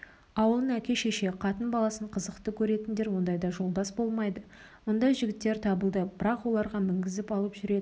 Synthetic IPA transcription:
ɑwəlˠəɴækʲe̞ʃeʃe̞qʰɑt̪ənbɑlˠɑsəɴqʰəzəqt̪əkʲʰɵɾe̞t̪ɪnd̪e̞ɾwo̞nd̪ɑjd̪ɑʒo̞lˠd̪ɑsbolˠmɑjd̪ə | mʊnd̪ɑjʒɪɡʲɪt̪ːe̞ɾt̪ʰɑbəlˠd̪əb̥ɪɾɑqwo̞lˠɑɾʁɑmɪŋɡʲɪzɪpɑlˠəpʒʏɾe̞d̪ɪ

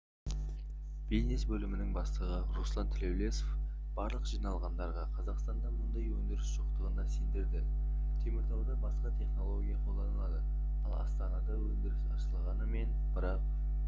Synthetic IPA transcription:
b̥iznesbɵlɪmɪnɪŋbɑslˠəʁəɾuslˠɑnt̪ʰɪlewlesof | b̥ɑɾlˠəqʒ̥ijnɑlˠʁɑnd̪ɑɾʁɑqʰɑzɑqst̪ɑnd̪ɑmʊnd̪ɑjwɵnd̪ɪɾɪsʒ̥oqt̪əʁənɑsend̪ɪɾd̪ɪ | t̪ʰe̞mɪɾt̪ʰɑwd̪ɑbɑsqɑt̪ʰe̞χno̞lˠo̞ɡʲijɑqʰolˠd̪ɑnəlˠɑd̪ə | ɑlˠɑ̰st̪ɑnɑd̪ɑwɵnd̪ɪɾɪsɑ̰ʃəlˠʁɑnəme̞n | b̥ɪɾɑq̚

